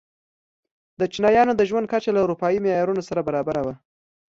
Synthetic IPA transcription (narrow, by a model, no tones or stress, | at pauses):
d̪ət͡ʃinɑjɑnod̪əʒwand̪̚kat͡ʃalauɾupɑjimejɑɾunosaɾabaɾɑbaɾawa